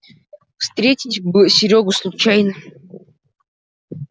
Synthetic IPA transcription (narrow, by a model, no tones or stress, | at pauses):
fst̪ɾʲetʲitʲbɨsʲɪɾʲoɡʊslˠut͡ɕajnə